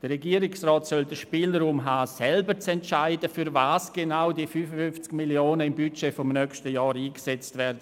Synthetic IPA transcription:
d̥ərrɛɡiːəɾɪksrɔːtsœldəʃpiːlɾuːmɦaːsɛlbəɾt͡sɛntt͡ʃaɪdəfyɾvaːsɡ̥enaʊdiːfyfəfʏnft͡skmiljoːnəɪmbyt͡ʃeːfɔmnœːkʃtəjɔːɾiːksɛt͡stvɛːɾdə

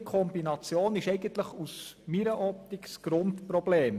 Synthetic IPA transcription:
kʰɔmbinɑt͡sjoːnɪʃɛɪɡənt̪ləχusmiɾəʔɔp̚t̪ɪksɡ̥ɾʊntprɔb̥leːm

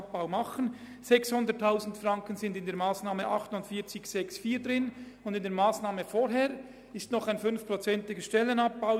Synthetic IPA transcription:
p̚b̥aʊmɑχən̩ | z̥ɛkshʊndətʰːaʊzn̩tfrɑŋkənzɪndɪndeːɐmaːsnaːməʔɑχtʊndfiːɐt͡sɪçsɛksfiːdʁɪn | ʊndɪndeːɐmaːsnaːməfoːɾɦeːɾ | ɪstnɔχaɪnfʏnfpʁot͡sɛntɪɡəʃtɛlənap̚b̥aʊ

